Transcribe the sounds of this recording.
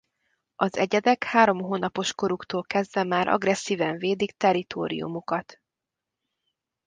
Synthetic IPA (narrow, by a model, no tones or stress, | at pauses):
ɒzɛɟɛd̪ɛkhaːɾo̞mɦoːnɒpo̞ʃko̞ɾukt̪oːlkɛzd̪vɛmaːɾʔɒ̰ɡrɛsːiːvɛɱveːd̪ikt̪ɛɾit̪o̰ːɾḭjṵmukɒt̪